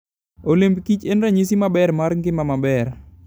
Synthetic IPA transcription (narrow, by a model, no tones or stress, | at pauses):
olembkit͡ʃenɾaɲis̬imabɛɾmaɾŋɡɪmamabɛɾ